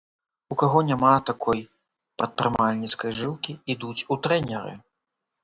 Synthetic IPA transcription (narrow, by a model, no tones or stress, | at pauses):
ukaɣɔnʲamat̪akʰɔj | pɾɐt̪̚pɾɨmalʲnʲit̪skɐjʐɨwkʲiid̪ut͡sʲut̪ɾɛnʲɛɾɨ̰